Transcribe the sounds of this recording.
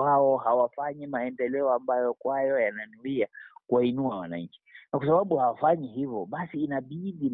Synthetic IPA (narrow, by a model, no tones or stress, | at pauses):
aɔhawafaɲimaɛndɛlɛɔambajɔkwajɔjananuiakuainuawa̰na̰ɲ̩t͡ʃi̥nakwasaɓaɓuhawafaɲiɦivɔɓasiːnaɓiɗi